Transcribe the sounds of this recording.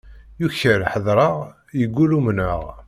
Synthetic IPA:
juçəɾħəðˤɾˤəʁ | jəɡʷːulumnəʁ

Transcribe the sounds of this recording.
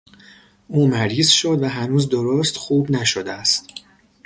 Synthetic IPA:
ʔuːmæɾiːzʃod̪væɦænuːzd̪oɾoːst̪xuːbnæʃod̪eæst̪

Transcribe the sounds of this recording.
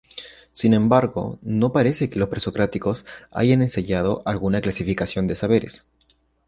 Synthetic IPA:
sinẽ̞mbaɾɣo̞̰no̞paɾe̞se̞ke̞lo̞spɾe̞so̞kɾat̪iko̞sa̰ʝane̞nseɲað̞o̞ʔalɣunaklasifikasjo̞nd̪e̞saβ̞e̞ɾe̞̰s

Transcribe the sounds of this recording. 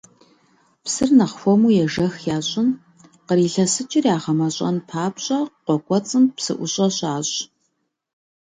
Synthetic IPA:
psɨrnɐχfomuːjɛʒɐxjaːɕʼɪn | qəɾiːɬɐsɨt͡ʃʼɪrjaːʁɐmɐɕʼɐ̰npʰaːpɕʼɐqʷɔkʷʼɔt͡sʼɨmpsɨ̰ʔʷʊɕʼɐɕaːɕʼ

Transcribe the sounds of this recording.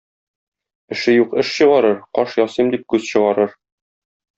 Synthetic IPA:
ɘ̆ʃɘjuqɘʃɕɤ̆ʁɑɾɤɾqɒʃjɒsɤmd̪ip̚kʉzɕɤ̆ʁɑɾɤɾ

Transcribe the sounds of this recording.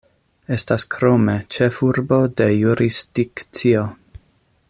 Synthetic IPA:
e̞staskɾo̞me̞t͡ʃefuɾbo̞de̞juɾisd̥ikt͡sio

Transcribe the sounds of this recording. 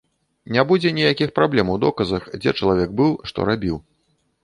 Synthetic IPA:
nʲabud͡zʲɛnʲijakʲixpɾablʲɛmwd̪ɔkɐzɐxd͡zʲɛ̰t͡ʂɐlˠavʲɛɡ̚bɨwʂt̪ɔ̰ɾabʲiw

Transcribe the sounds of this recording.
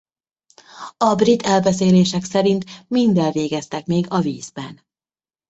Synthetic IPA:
ɒbrit̪ʰɛlbɛseːleːʃɛksɛɾint̪mind̪ɛlveːɡɛst̪ɛkmeːɡɒviːzbɛn

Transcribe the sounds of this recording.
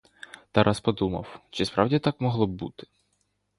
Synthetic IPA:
t̪ɑɾʔɑspɔd̪umɐ̰wt͡ʃɪspɾɑwdʲit̪ɑkmɔɦlˠɔbbṵt̪ɪ̥

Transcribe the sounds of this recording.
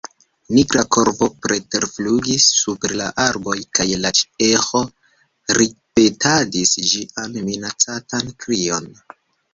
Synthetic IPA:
niɡɾako̞ɾpo̞pɾe̞te̞ɾfluɡisːupeɾla̰ʔaɾbo̞jkajlat͡ʃexo̞ | ɾipe̞tʰadisd͡ʒianminat͡satankɾio̞n

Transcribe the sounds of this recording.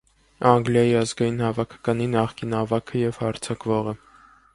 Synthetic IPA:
ɑŋɡljɑjiɑzɡɑjin̪hɑvɑkʰɑ̥kɑninɑχkinɑvɑkʰəjɛvhɑɾt͡sʰɑkvɔʁə

